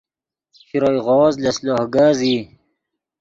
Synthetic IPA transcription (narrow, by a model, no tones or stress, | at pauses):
ɕiɾoːjɣɔːzlesloːhɡaːziː